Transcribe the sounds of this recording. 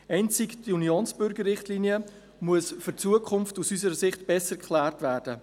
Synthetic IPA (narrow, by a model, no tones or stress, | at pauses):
ɛɪnt͡sɪkd̥iunjoːnsb̥ʏɾɡəɾːɪχtliːniə | muəsfʏɾt͡suəkʰʊmftusysəɾəsɪχtb̥ɛsəkʰχlæːrtvæːɾd̥ə